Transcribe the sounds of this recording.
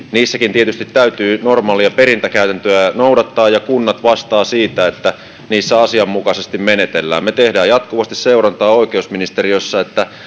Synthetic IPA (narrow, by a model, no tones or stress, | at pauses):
niːsːækint̪iet̪yst̪it̪tæyt̪yːnormɑːliɑpeɾint̪ækæyt̪ænt̪øænowdɑt̪ːɑːjɑkunːɑt̪ʋɑst̪ɑːsiːt̪æet̪ːæ | niːsːæɑsiɑmːukɑsest̪immenet̪elːæ̰ːmmet̪ehdæːjɑt̪kuʋɑst̪isseurɑnt̪ɑːo̞ikeusminist̪eriosːɑet̪ːæ